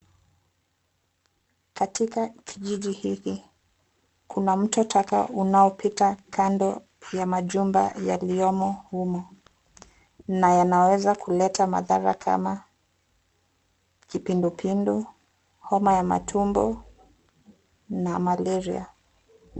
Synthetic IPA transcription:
katikakʰiʄiʄihiki | kunam̩tɔtʰaka̰ʔunaɔpʰitakʰandɔ | jamaʄumba̰ja̰liɔmɔhumɔ | najanawɛzakʰulɛtʰama̰ðaɾa̰kʰa̰ma | kipindupʰindu | hɔmajama̰tʰumbɔ̰ | namalɛɾḭa̰

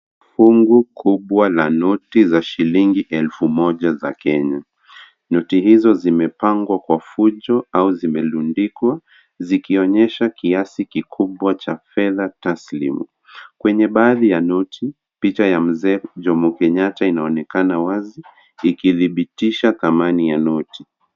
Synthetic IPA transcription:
fuŋɡukʰuɓwalanutizaʃiliŋɡiʔɛlfumɔʄaza̰kɛɲa | nutihizɔzimɛpaŋɡwakwafuʄɔauzimɛlundikwa | zikiɔɲɛʃakiasikikʰuɓwat͡ʃafɛðataslḭmṵ | kwɛɲɛɓaːðijanɔtʰi | pit͡ʃajam̩zɛːʄɔmukɛɲatainaɔnɛkanawazi | ikiðiɓitiʃaθamanijanɔti

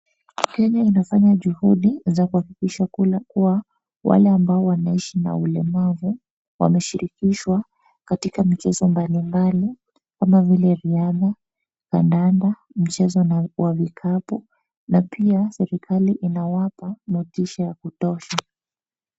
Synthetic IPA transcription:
kɛɲainafaɲaʄuhuɗizakuhakikiʃakukuwa | wa̰lɛambaɔwanaiʃina̰ulɛmavu | wa̰mɛʃiɾikiʃwa | katikam̩t͡ʃɛzɔmbalimbali | kamavilɛɾiaða | kandanda | m̩t͡ʃɛzɔnwavikʰapu | napʰiasɛɾikʰaliʔinawapamɔtiʃajakutɔʃa

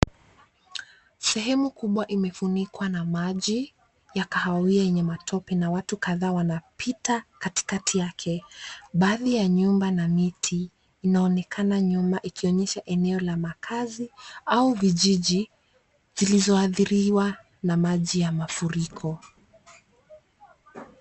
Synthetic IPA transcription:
sɛɦɛmukuɓwaʔimɛfunikwanamaʄi | jakahawiajɛɲɛmatʰɔpɛnawatukaðaːwanapʰitakati̥katʰijakʰɛɓaːðijaɲumbanamitʰiː | naɔnɛkʰanaɲumbaʔikiɔɲɛʃaʔɛnɛɔlamakʰaziauviʄiʄi | z̥ilizɔaθiɾiwa | namaʄijamafuɾikʰɔ

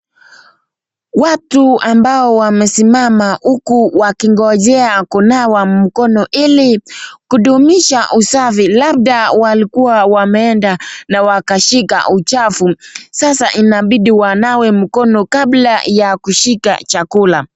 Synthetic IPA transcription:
watuambaɔwamɛsimamahukuwakiŋɡɔʄɛakunawam̩kɔnɔʔilikuɗumiʃaʔusafilab̚ɗawalikuwawamɛɛndanawakaʃika̰ʔut͡ʃafusasaʔinaɓiɗiwanawɛm̩kɔnɔkablajakuʃika̰t͡ʃakula

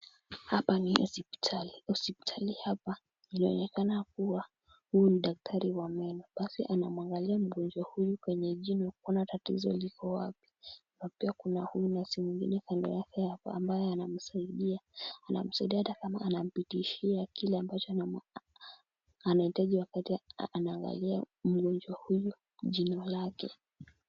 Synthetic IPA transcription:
hapanisipi̥tʰaliusipi̥tʰalihapa | inaɔ̰nɛkanakuwa | huuniɗak̚tʰaɾiwamɛlɔɓasḭʔanamuaŋɡaliam̩ɠɔnd͡ʒwahujukwɛɲɛʄinɔkɔnatatḭzɔ̰likʰɔwapi̥ | mapiakunahujunasimwiŋɡḭnɛkandɔ̰jakɛhapaa̰mbajɛanam̩saiɗiaːna̰m̩saiɗiahatakama̰ʔanam̩pitiʃiakilɛambat͡ʃɔ | anahitaʄiwakatianaːŋɡa̰lia̰ | m̩ɠɔnd͡ʒwahuju | ʄinɔlakɛ̰

